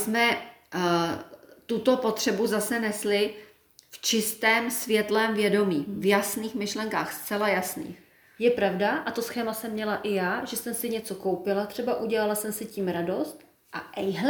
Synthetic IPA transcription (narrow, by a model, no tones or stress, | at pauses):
smɛ | t̪ut̪o̞po̞t̪r̥ɛbuzasɛnɛslɪ | ft͡ʃɪst̪ɛːmsvjɛt̪lɛːmvjɛdo̞miːvjasniːxmɪʃlɛŋkaːxst̪t͡sɛlajasnḭːx | jɛpɾavdaʔat̪o̞sxɛːmasɛmːɲɛlaʔɪjaːʒɛsɛmsɪɲɛt͡so̞kowpɪlat̪r̥ɛbaʔuɟɛlalasɛmsɪciːmɾado̞st̪ | ʔaʔɛjɦ